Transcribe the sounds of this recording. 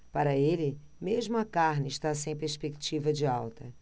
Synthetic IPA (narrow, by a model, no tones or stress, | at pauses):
paɾɐelɪ | meʒmʊɐkaɾnɪʃt̪as̬ẽj̃peɾspekt͡ʃivɐd͡ʒɪawt̪ɐ